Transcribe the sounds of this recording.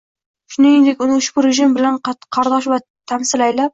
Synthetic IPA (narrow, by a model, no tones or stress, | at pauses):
ʃʊneend̪ekʲʊnuʃbɪɾeʒɪmbɪlanqʰɑɾd̪ɑʃbɑ | t̪ʰæmsɪlæjlap̚